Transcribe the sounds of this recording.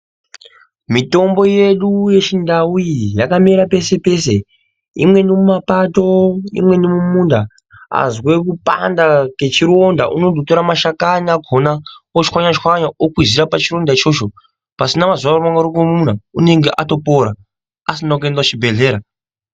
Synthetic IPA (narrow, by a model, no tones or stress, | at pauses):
mito̞mbo̞je̞ɗuje̞t͡ʃindaujijakameɾape̞se̞pe̞se̞ | ḭmwe̞nimumapato̞ḭmwe̞nimumunda | a̰zwe̞kupa̰ndake̞t͡ʃiɾo̞nda̰ʔunodʱoto̞ɾamaʃakaɲaɡʱonaot͡ʃwaɲat͡ʃxwaɲaʔokwiziɾapat͡ʃiɾo̞ndait͡ʃo̞t͡ʃo̞ | pasinamazaromaŋɡaɾukomun̤aune̞ŋɡe̞ʔato̞poɾa | asinak̬endat͡ʃibʱe̞ɮe̞ːɾa